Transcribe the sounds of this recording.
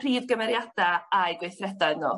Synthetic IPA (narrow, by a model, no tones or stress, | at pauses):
r̥iːðɡəmɛɾjad̥aajɡwejθrɛdaɨðno̰ː